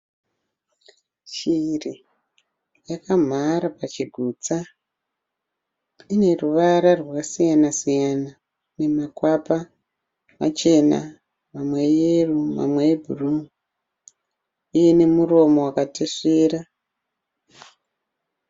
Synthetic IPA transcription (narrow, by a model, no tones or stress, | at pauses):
t͡ʃiri | jakam̤aɾapat͡ʃiɡʱuːt͡sa | ine̞ruʋaɾarwasijanasijana | ne̞makwapa | ma̰t͡ʃe̞na̰ | mamwejeruma̰mwebʱurum | ije̞ne̞muro̞mo̞wakateʂeːra